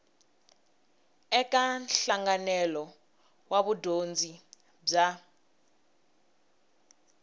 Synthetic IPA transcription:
ɛkʼanɬaŋɡanɛlɔ | waβudond͡zʱi | b͡ʐa

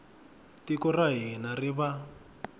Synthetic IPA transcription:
tikɔraɦinariβa

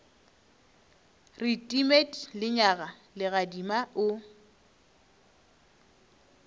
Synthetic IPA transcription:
rɪtʼimetʰʼlɪɲaɣalɪɣadimaʔʊ

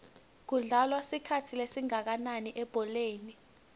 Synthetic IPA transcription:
k̬uɮalwasikʰatʰilesiŋak̬ananiʔɛb̥ʱɔleːni

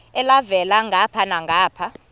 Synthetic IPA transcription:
ɛlavɛlaŋɡʱapʰanaŋɡʱaːpʰa

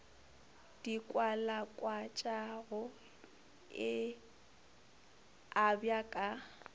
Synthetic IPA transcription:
d̥ikʼwalakʼwat͡ʃʼaɣʊ | ɪ | abjakʼa

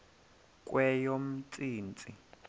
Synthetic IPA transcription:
k̬ʼwʔɛjom̩t͡sʼiːnt͡sʼi

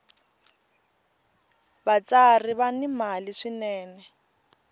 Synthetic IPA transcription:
bat͡sariβanimaliʂinɛːnɛ

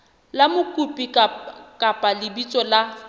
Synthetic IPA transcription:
lamʊkʼupʼikʼapʼalɪbit͡sʼɔla

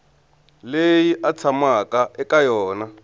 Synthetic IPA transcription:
lejiʔat͡sʰamakaʔɛkajɔːna

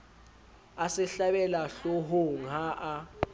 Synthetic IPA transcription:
asɛɬaɓɛlaɬɔɦoŋaʔa

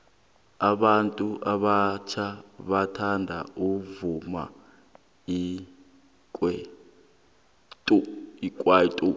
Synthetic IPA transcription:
aɓantʼuʔaɓat͡ʃʰaɓatʰandʱa̰uvuma̰ | i | kʼwɛ | tʼuikʼwaitʼu

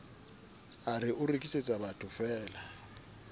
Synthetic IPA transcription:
arɪʔʊrekʼiset͡sʼabatʰʊfɛːla

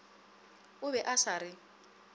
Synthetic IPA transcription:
ʊbɛʔasaɾɪ

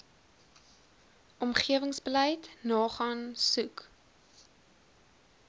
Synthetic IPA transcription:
ʔɔmχiəvəŋsbələjtnɑːχɑːnsʉk

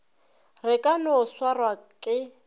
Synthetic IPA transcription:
rɪkʼanʊʊswarwakʼɪ

